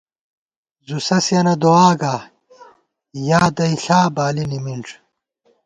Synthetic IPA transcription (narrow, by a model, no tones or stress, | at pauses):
zusɐsjɐnɐd̪oaːɡaː | jaːd̪ɐiɬaːbaːlinimiɳʈ͡ʂ